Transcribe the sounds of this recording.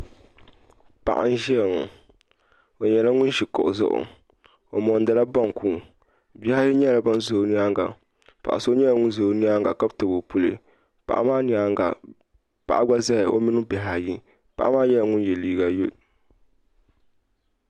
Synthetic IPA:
pa̰˨ʔa̰˦n˦ʒɛ˦˨ŋʊ̰˨ | o˨ɲɛ˨la˦ŋʊ˦nʃi˨kɔ̰˨ʔʊ˨zʊ̰˦ʔʊ̰˨ | o˨mɔ˨n˦da˨la˦ba˦ŋ˨kʰuː˨ | bi˦ha˦ji˦ɲɛ˦la˨ba˦n˦zo˨˦ni˦a˦ŋɡa˨ | pa̰˨ʔa˨so˦ɲɛ˦la˦ŋʊ˦n˦zo˨˦ni˦a˦ŋɡa˨ka˦btɨ˨bo˨pu˦lḛ˨ | pa̰˨ʔa̰˦maː˦ni˨˦a˦a̰˨ | pa̰˨ʔa˦ɡ͡ba˦za˦ɪ˨o̰˦mɪ˦nʊ˦bɛ˨ɦa˨ji˦ | pa̰˨ʔa˦maː˦jɛ˦la˨ŋʊ˦njɛ˨liː˦ɡa˨jo˦˨

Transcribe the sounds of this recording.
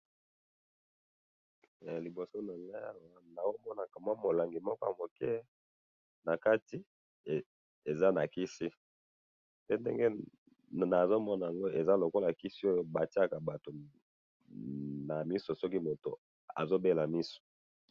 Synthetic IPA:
li˨bo˨so˦na˨la˦a˦wa˨na˨wo˦mɔ˦na˨ka˨ma˦mo˨la˨ŋɡi˨mɔ˦kɔ˦ja˨mo˨kɛ˦ | na˨ka˦ti˦˨ | e˨za˦na˨ki˦si˦ | pe˦ndɛ̰˦ŋɡe˦ | na˨zo˦mɔ˦n˨a˨ŋɡo˦e˨za˦lo˨ko˦la˨ki˦si˦o˦jo˦ba˨ti˦a˦ka˨ba˨to˨ | na˨mi˦so˨sɔ˦ki˦mo˨to̰˨ | a̰˨zo˦be˦la˨mi˦so̥˨

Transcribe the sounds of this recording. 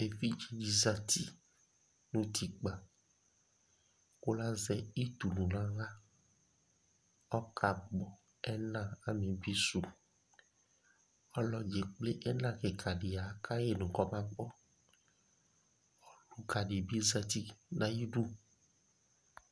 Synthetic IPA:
e˨fi˦d͡ʒi˦d͡ʒi˦za˨t̪i˦ | nũ˦t̪i˨k͡pa˨ | ko˦la˦zɛ˦i˦t̪u˨nũ˨lã˦ɣa˦ | ɔ˦kʰa˨ɡ͡bɔ˨ | ɛ˦nã˦˨a˨mẽ˨bi˦su˨ | ɔ˦lɔ˦d͡ʒe˨k͡ple˦ʔɛ˦nã˦ke˨kʰa˨ɖe˨a˨kʰa˦je˦nũ˨kɔ˦mã˦k͡pɔ˦ | ɔ˦lu˦ka˨ɖe˨bi˦za˦t̪i˦nã˨ji˦ɖu˦

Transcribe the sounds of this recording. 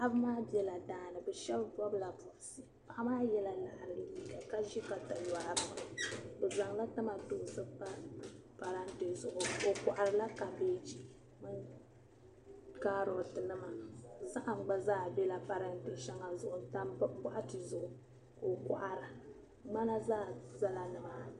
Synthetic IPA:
la˨ʔa˦bɨ˦maː˦bɛ˦la˨daː˦nɨ˨bɛ˨ʃɛ˦lbɔ˦bɨ˦la˨pʊ˨ʔʊ˨sɨ˨ | pa˨ʔa˦maː˦jɛ˦la˨la˨ʔa˨ɾɨ˨˦dɨ˨bi˨ka˨ka˦ʒi˦ka˨ta˨laː˦ɾɨ˨ma˨bɨ˨za˨ŋla˦ta˦ma˨tʊ˨sɨ˦pa˦ | pa˨ɾa˦nte˨zʊ˨ʔʊ˨o˨ka˨ʔa˨ɾɨ˨la˦ka˨beː˦d͡ʒi˦ | mɨ˦n | kaː˦ɾʊ˨tɨ˨nɨ˦ma˨za˦ʔa˨ŋ͡mɡ͡ba˦zaː˦˨bɛ˦la˨pa˨ɾa˦n˦te˨ʃɛ˦ŋa˨zʊ˦ʔʊ˨ta˦m˦ba˦ʔa˦tɨ˨zʊ˨ʔʊ˨ | ko˨ka˨ʔa˦ɾɨ˨˦ | ma˦na˦zaː˦za˦la˨nɨ˦maː˦

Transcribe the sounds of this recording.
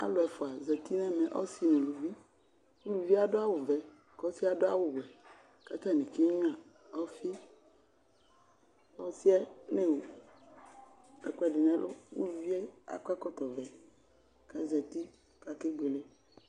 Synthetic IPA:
a̰˦lʊ˨ɛ˨fʊ˨a˨zɛ˨t̪i˦nɛ̃˦mɛ̃˨ʔɔ̰˦si˦nũ˨lu˨vi˦ | wu˦lu˨vi˦a˨dʊ˦a˦wʊ˨vɛ˨ | kɔ˦si˦a˦dʊ˦a̰˦wʊ˨wɛ˨ | ka˦t̪a˦˨nĩ˨ki˦ɲ˦a˨ | ɔ˦fi˦ | ɔ˦si˦ɛ˦ne˦wo˨ | ɛ˨kɛ˨dɪ˨nɛ̃˨lʔʊ̰˦wṵ˦lu˨vi˦e˦a̰˨ka˦kɔ˦t̪ɔ˨vɛ˨ | kɛ˨zɛ˨t̪i˦ | ka˨ke˦ɡ͡be˨le˦

